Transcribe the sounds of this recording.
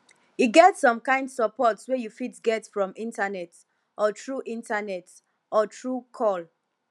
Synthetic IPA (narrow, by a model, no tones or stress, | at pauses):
iɡɛtsɔ̃mkãɪ̃ndsɔpʰɔtswɛjufitɡɛtfɹɔ̃mĩntanɛt | ʔɔtɹuʔĩntanɛt | ɔtʰɹukʰɔl